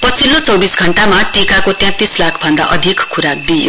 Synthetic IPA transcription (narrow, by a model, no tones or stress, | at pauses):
pʌt͡sʰilːot͡sʌwbisɡʱʌɳʈamaʈikakot̪jɛ̃p̚t̪ːislakʰbʱʌnd̪a̰ʔʌd̪ʱikkʰːuɾak̚d̪ijo̰